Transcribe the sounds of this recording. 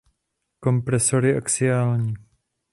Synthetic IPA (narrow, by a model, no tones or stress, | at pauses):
ko̞mpɾɛsoɾɪʔo̰ksɪaːlɲiː